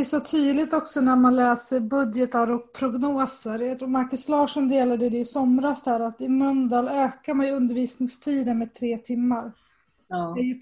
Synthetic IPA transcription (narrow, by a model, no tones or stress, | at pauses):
ɛsɔt̪ʰyːd̪lɪt̪ɔksɔnæɾmanlɛːsəɾbɵd̪jət̪aɾɔk̚pʰɾʊɡnoːsəɾjɑt̪ʰɾuːɾmaɾkɵslɑːʂɔnd̪eːlad̪əjəd̪ɛɪsɔmɾasd̪æːɾat̪ɪmœnd̪ɑløːkaɾmanjɵnd̪əɾviːsnɪŋst̪ʰiːd̪ənmɛt̪ʰɾeːt̪ʰɪmːaɾ | ɛj